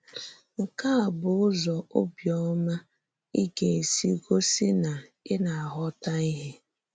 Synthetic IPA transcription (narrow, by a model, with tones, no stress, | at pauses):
ŋ̩˨ka˦a˨bʊ˨˦ʊ˦zɔ˨o˦bjɔ˦ma˦ | i˦ɡe˨e˨si˦ɡo˦si˦na˨ɪ˦na˨a˨ɦɔ˦ta˦i˦ɦe˦